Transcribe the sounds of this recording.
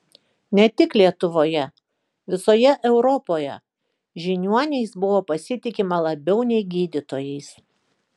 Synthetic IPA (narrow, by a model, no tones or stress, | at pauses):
nʲɛt̪ʲɪklʲiɛt̪ʊʋoːjɛ | ʋʲɪsoːjɛʔɛʊɾɔpoːjɛ̰ | ʒʲɪnʲuɔnʲɛɪsbʊʋoːpɐsʲɪt̪ʲɪkʲɪmɐlˠɐbʲɛʊnʲɛɪɡʲiːd̪ʲɪt̪oːjɛɪs